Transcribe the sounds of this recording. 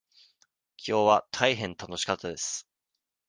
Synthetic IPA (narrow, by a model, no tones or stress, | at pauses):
kʲʰo̞ːβat̪ʰaiɦẽ̞nt̪ano̞ɕi̥kat̪ːad̪e̞sɨ̥